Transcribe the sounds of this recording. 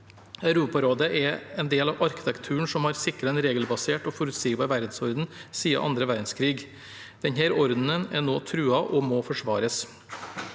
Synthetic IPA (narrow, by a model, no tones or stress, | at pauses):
æʉɾuːpɑɾoːd̪əʔɛɛːnd̪eːlɑʋʔɑɾkɪ̥t̪ʰɛkt̪ʰʉːəɳʂɔmhɑɾsɪkɾɑɛnɾeːɡəlbɑseːʈɔːfɔɾʉt̪siːɡbɑʋæɾd̪n̩sɔɾd̪n̩siːɑ̰ʔɑ̰nd̪ɾəʋæɾd̪n̩skʰɾiːɡ | d̪̥ɛnhæːɾɔɾd̪n̩ənɛnoːt̪ʰɾʉːɑʔɔmoːfɔʂʋɑːɾəs